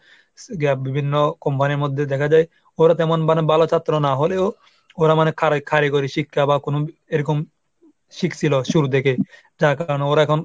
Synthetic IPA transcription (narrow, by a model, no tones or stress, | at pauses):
ɡabibʱinːokɔmpaniɾmod̪ʱːed̪ɛkʰad͡ʑaj | oɾat̪ɛmonmanebalot͡ɕʰat̪ːɾonaɦoleo | oɾamanekʰaɾkʰaɾikoɾiʃikʰːabakonoeɾɔkom | ʃiksiloʃuɾud̪ekʰe | d͡ʑakaɾoneoɾaɛkʰɔn